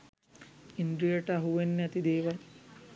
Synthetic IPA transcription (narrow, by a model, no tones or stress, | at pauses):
ind̪ɾijɐʈɐɐɦuʋenːɐt̪id̪eːʋɐ